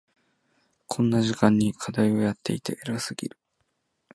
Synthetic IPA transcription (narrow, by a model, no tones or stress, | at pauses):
kʰõ̞nːaʑikãɲ̟ːikʰad̪aio̞jat̪ːe̞̰it̪e̞ʔeɾasɨɡʲḭɾɯ̟